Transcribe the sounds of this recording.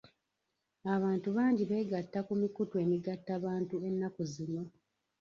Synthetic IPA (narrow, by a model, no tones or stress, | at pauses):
aβaːntuβaːɲɟiβe̞ːɡatːakumikutwe̞ːmiɡatːaβaːntue̞nːakuzino̞